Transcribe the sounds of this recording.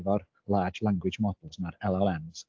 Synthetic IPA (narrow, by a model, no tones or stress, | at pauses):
vɔr | lˠaːd͡ʒlˠaŋɡwɪd͡ʒmɔdl̩ˠsmaɾɛlˠɔlˠɛnz̥